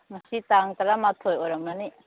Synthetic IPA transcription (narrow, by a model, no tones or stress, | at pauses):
masit̪aŋt̪aɾamat̪ʰojoɾamani